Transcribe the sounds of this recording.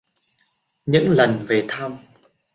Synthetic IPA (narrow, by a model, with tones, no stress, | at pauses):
ɲɨ̰˧˥ŋlə˨˩nve˨˩t̪ʰaː˧m